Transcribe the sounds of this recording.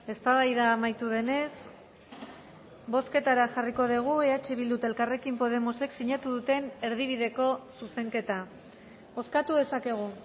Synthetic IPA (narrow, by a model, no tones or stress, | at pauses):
e̞st̪aβajðaːmajt̪uðe̞ne̞s | bo̞ske̞t̪aɾaʝariko̞ðiɣ̞ueat͡ʃeβild̪ut̪elkare̞kimpo̞ð̞e̞mo̞se̞ksiɲat̪uðut̪e̞ne̞ɾðiβ̞iðe̞ko̞suse̞ŋke̞t̪a | o̞skat̪uðe̞sake̞ɣ̞u